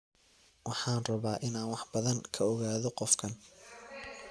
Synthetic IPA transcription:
wɑħɑːnrɐβaːʔɪnaːnwɑħbɐðɐŋkʰɐɔɣaːðɔqɔfkʰɐn

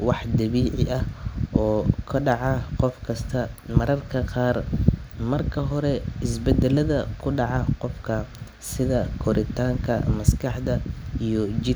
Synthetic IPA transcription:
wɑħd̪ɐβiːʕɪʔɐhʔɔːkʰɐɖɑʕɑqɔfkʰɐst̪ʰɐmɐɾɐrkʰɐqɑːrmɐrkʰɐɦɔɾɛɪsbɛd̪ɛlɐðɐkʰʊɖɑʕɑqɔfkʰɐ | sɪðɐkʰɔɾɪt̪ʰaːŋkʰɐ̰mɐskʰɑħd̪ɐijɔt͡ʃɪ

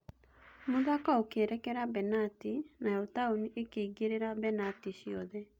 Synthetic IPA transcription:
moðakaokeɾɛkɛɾabɛnatinaɔtaoniʔekeiɡeɾeɾabɛnatiɕiɔðɛ

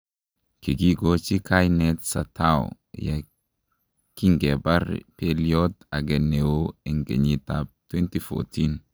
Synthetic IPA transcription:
kiɡiɡot͡ʃikʰajnɛtsatʰaw̰ | ja̰ | kiŋɡɛbaɾpeliɔtaɡɛnːewoɛŋɡḛɲitab̚t̪wɛntifɔ̰tʰin

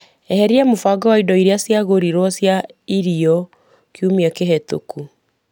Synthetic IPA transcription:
ɛhɛɾiamofaɡɔwaidɔiɾeasjaɣoɾiɾwɔsjaiɾiɔ | kiumiakeɦɛto̰ku

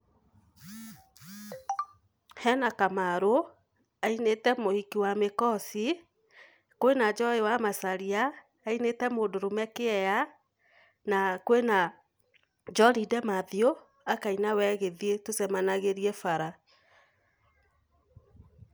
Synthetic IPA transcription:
hɛnakamaɾo | ainetɛmohikiwamekɔsi | koenad͡ʒɔewamasaɾiaː | inetɛmodoɾomɛkeɛja | nakoena | d͡ʒɔɾidɛmaðio | akainawɛɣeðietosɛmanaɣeɾiɛfaɾa

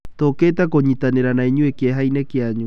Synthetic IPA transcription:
t̪oket̪akoɲit̪aneɾanaɲuekeɦajnekeaɲu

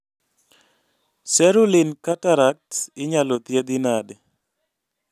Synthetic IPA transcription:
sɛɾulɪnkataɾak̚tɪɲalɔt̪jed̪inade

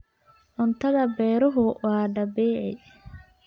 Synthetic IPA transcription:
ʕʊnt̪ʰɐðɐbɛːɾɔɦʊwɑːɖɐbɛːʕɛj

